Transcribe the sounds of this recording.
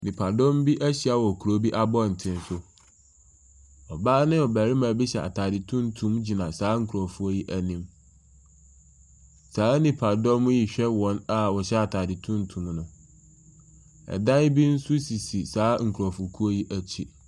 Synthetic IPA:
nĩ˨pʰa˨dɔ̃˦m˦bi˦ʔæ˦ɕi˨a˦wɔ˨kʰu˨ɾo˦bi˦ʔa˦bɔ˦˨n̩˨tʰɪ̃˦˨n˦sʊ˦ | ɔ˨ba˦nɪ̃˦ɔ˨bæ˨ɾi˦mã˨˦bi˦ɕɛ˨ʔa̰˨tʰaː˨dɪ˨tʰũ˦n˦tʰũ˦md͡ʑi˨nã˨saː˨˦ŋ̩˨kʰu˨ɾɔ˨fu˦o˦ji˦ʔæ˦nĩ˦m | saː˨˦nĩ˨pʰa˨dɔ̃˦m˦ji˨ɕᶣɛ˦wɔ̃˨˦na˨wɔ˨ɕɛ˦a˨tʰaː˨dɪ˨tʰũ˦n˦tʰũ˨mnʊ̃˨ | ɛ̰˨dã˦n˦bi˦n̩˦su˦si˨si˨saː˨˦ŋ̩˨kʰu˨ɾɔ˨fu˨kʰu˦o˦ji˦ʔæ˦t͡ɕʰi˦

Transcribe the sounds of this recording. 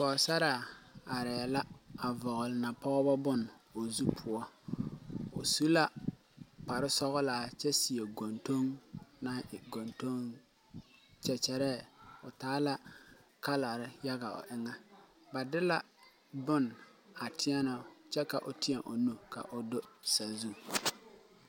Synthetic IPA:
kɔ˨sa˦ɾa˨a˨ɾɛ˨la˦a˨vɔ˨ɣʊ˨lɪ˨na˨pɔ˦bɔ˦bʊ˦no˨zu˦pʰʊ˨ɔ˦ | o˨su˦la˦ | pa˨ɾɪ˦sɔ˦ɣɔ˦laː˨t͡ʃɛ˦si˨e˨ɡo˨nto˦ŋna˦ʔɪ˨ɡo˨nto˦ŋ | t͡ʃɛ˨t͡ʃɛ˨ɾɛː˦˨ʊ˨taː˨˦la˦ka˦la˨ɾɪ˦ja˦ɣa˨ʊ̰˨ʔɪ˦ŋa˦ | ba˨dɪ˦la˦ | bʊ˦na˨tʰɪ˦ɛ˦nɔ˨ʊ˦t͡ʃɛ˦ka˨ʔʊ˨tɪ˦ɛ˨ʔo˨no˨ka̰˨ʔʊ˨dʊ˦sa˨zu˦

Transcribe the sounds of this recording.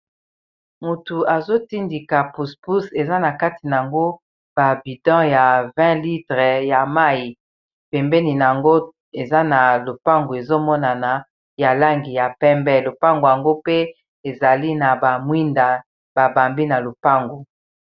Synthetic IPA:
mu˨tu˨a˨zo˦ti˦ndi˨ka˨pu˨spu˦se˨za˦na˨ka˦ti˨n˨a˨ŋɡo˦ | b̥a˨bi˨dɑ̃˦ja˨vɛ̃˦li˦tʁɛ˨ja˨ma˦˨i˨ | pɛ˨mbɛ˦ni˨n˨a˨ŋɡo˦ | e˨za˦na˨lo˨pa˦ŋɡo˨e˨zo˦mɔ˦na˨na˨ | ja˨la˦ŋɡi˨ja˨pɛ˦mbɛ˦lo˨pa˦ŋɡo˨ja˨ŋɡo˦pe˦ | e˨za˨li˦na˨ba˨mwi˦nda˨ | b̥a˨ba˨mbi˦na˨lo˨pa˦ŋɡo˨

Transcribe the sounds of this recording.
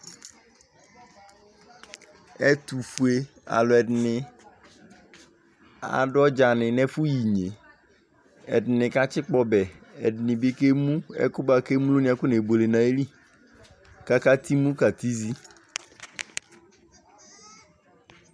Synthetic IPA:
ɛ˦t̪u˨fu˨e˨˦ | a̰˨lɔ˨ɛ˨dɪ˨nɪ˨ | a̰˨ɖɔ˦d͡ʒa˨nɪ̃˨nɛ˦fu˦ji˨ɲe˨ | ɛ˨dɪ˨nɪ̃˨ka˦t͡ɕɪ˦k͡pɔ˦bɛ˨ɛ˨dɪ˨nɪ̃˨be˦ke˦mũ˦ɛ̰˦kʊ˦ba˨ke˦mũ˦lʊ˦nĩ˦a˨kʊ˦ne˨bo˨le˨nã˨e˦li˦ | ka˦ka˦t̪ʰi˦mũ˦ka˨t̪i˦zi˦

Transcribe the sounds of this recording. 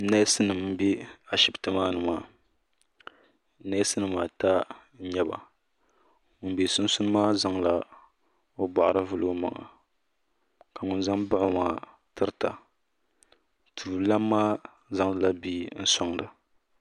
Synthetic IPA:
na˦jsɨ˦nɨ˨mm̩˨bi˦a˨ʃɪ˦btɨ˦maː˦nɨ˨maː˦ | na˦sɨ˦nɨ˨maː˨ta˦ | ɲɛ˦ba̰˨ | ŋʊ˨nbe˨sʊ˦n˦sʊ˦nɨ˦maː˦za˦ŋla˦ | o˦ba˨ʔɾɨ˦vʊ˦lɨ˦ɡʊ˦ma̰˨ŋa̰˨ | ka˨ŋʊ˨nza˦mba˦ʊ˦maː˦ | tɨ˦ɾta˨ | tʰuː˨la˦mːaː˦ | za˨˦ŋdɨ˦la˦bi˦n̩˦sɔ˦ŋdɨ˨

